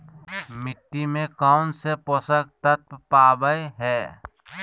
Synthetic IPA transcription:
mɪʈːimẽkaʊnseposək̚t̪ət̪̚paːbəeɦɛː

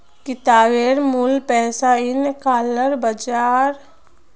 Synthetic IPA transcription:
kɪt̪aːʋeːɾmʊlpɛːsaɪnkaːləɾbɐd͡ʒaːɾ

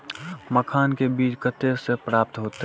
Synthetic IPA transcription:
məkʰaːnkebiːt͡ʃkət̪esepɾaːp̚t̪ɦoːt̪e

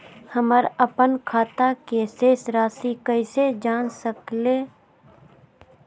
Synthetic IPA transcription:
həməɾəpənkʰaːt̪akeːseːsɾaːsikəɪsed͡ʒaːnsəkleː

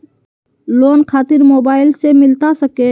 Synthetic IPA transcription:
loːnkʰaːt̪ɪɾmoːbaːɪlsemɪlt̪asəke

